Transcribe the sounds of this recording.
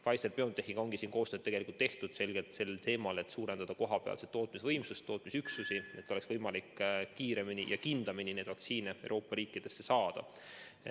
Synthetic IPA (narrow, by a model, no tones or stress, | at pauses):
fɑjst̪elpeo̞nt̪ehiŋɡ̥o̞ŋɡ̥isiːnko̞ːst̪øːd̪e̞ɡelʲikult̪ːe̞ht̪ud̪̥se̞lɡ̥e̞lt̪se̞lːelt̪e̞ːmɑle̞t̪suːɾe̞nd̪ɑd̪̥ɑko̞ɦɑpeɑ̰lset̪o̞ːt̪ˑmisvɤjmsust̪ːo̞ːt̪ˑmisyksusie̞t̪ːˑo̞leksvɤjmɑlikːiːɾe̞minijʔɑkind̪̥ɑminine̞ːd̪̥vɑkt̪siːneewɾo̞ːpːˑɑɾiːkːˑid̪̥e̞sːe̞sɑːd̪̥ɑ̰